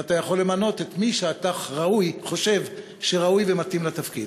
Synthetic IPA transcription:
at̪ajaχo̞lːe̞mano̞t̪et̪miʃeat̪aʁaujχo̞ʃe̞v | ʃeʁaujvemat̪imlat̪afkḭd̪

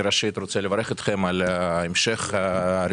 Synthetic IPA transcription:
ɾaʃit̪ɾot̪sɛlevaɾeχit̪χemalemʃeχɾ

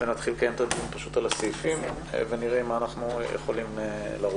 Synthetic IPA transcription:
venat̪χilkajemt̪ad̪iunpaʃut̪alasijfim | veniʁeimaːnaχnujḛχolimelaʁ

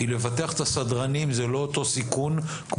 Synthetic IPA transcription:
ilevat̪eaχet̪asadʁanimzelo̞ːt̪o̞sikun | k

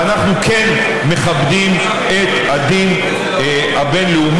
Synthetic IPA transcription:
anaχnuken | me̞χabd̪im | e̞t̪had̪in | habe̞nleum

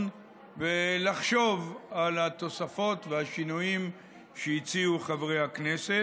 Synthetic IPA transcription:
n | velaχʃo̞valat̪o̞safo̞t̪veaʃinujim | ʃeit͡siuχavʁejaknese

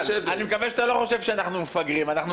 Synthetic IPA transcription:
animekavɛʃat̪aloχo̞ʃevʃeanaχnumefaɡʁimanaχnu

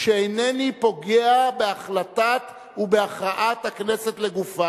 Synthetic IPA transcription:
ʃeejnenipo̞ɡeabe̞aχlat̪at | ubeaχʁaʔat̪hakneset̪le̞ɡufa

